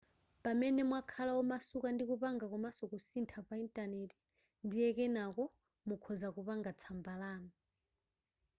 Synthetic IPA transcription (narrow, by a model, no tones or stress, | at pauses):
pamɛnɛmwakʰalaɔmasukandikupaŋɡakɔmasɔkusintʰapaintʼanɛti̥ | ndijɛkɛnakɔ | mukʰɔzakupaŋɡat͡sʰambalaːna